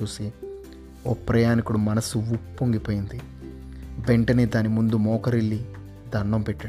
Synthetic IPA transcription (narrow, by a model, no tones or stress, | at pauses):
uːsi | oːpɾɐjaːnikuɽumɐnɐsuupːoŋɡipoːjind̪i | beɳʈɐnid̪aːnimund̪umɔːkɐɾiɭːi | d̪ʱɐɳːɐmpɛʈːɐ